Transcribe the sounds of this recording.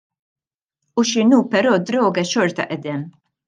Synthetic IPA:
uʃɪnuːpɛɾɔːd̪ɾɔːɡɛʃɔɾt̪ɐ̰ʔɛd̪ɛm

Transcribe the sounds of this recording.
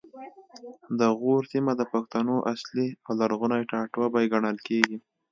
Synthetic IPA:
d̪əɣoɾsimad̪əpaxt̪anoʔasliawlaɾɣunajʈɑʈwabajeɡaɳəlkeɡi

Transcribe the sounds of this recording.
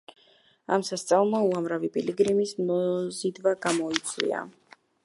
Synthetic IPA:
a̰msast̪sʼavlˠmauamɾavipʼiliɡɾimismɔzid̪vaɡamɔit̪sʼʰwḭa̰

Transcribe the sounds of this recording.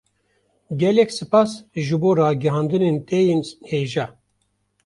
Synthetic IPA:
ɡʲɛlɛkʲsɨpɑsʒɨboːɾɑːɡɛɦɑːnd̪ɨneːnt̪ʰɛjeːnheːʒaː

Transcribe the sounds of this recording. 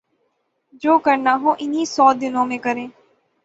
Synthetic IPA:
d͡ʒoːkəɾnaɦõʔɪnisɔːd̪ɪnõːmẽkəɾẽː

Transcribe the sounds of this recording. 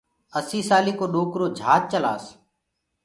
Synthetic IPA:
əsiːsaːliːkoːɗoːkɾoːd͡ʒʱaːt̪̚t͡ʃəla̰ːs

